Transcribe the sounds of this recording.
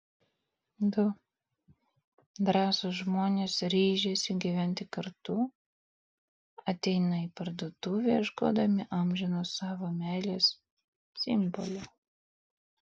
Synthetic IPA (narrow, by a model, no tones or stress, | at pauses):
d̪ʊ | d̪ɾɑːsoːsʒmoːnʲeːsɾʲiːʒʲeːsʲɪɡʲiʋʲænʲt̪ʲɪkɐɾt̪ʊ | ɐt̪ʲɛɪnɐipɐɾd̪oːt̪uːʋʲeʒɡo̰ːd̪ɐmʲɪʔɑˑmʲʒʲɪnosɑːʋomʲæːlʲeːs | sʲɪmbɔ̰lʲɛ